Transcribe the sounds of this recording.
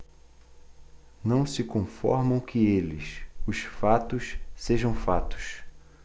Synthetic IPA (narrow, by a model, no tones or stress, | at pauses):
nɐ̃w̃sɪkõfɔ̰ɾmɐ̃w̃kɪelɪsʊsfat̪ʊʃseʒɐ̃w̃fat̪ʊ̥ʃ